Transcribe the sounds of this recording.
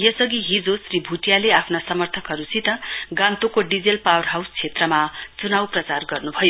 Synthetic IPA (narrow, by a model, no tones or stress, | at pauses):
jʌsʌɡiɦid͡zosribʱuʈjaleapʰnasʌmʌrt̪ʰʌkɦʌɾusit̪ʌɡãnt̪okoɖid͡zelpawʌrɦawst͡sʰet̪rʌmat͡sunawprʌt͡sarɡʌrnubʱʌjo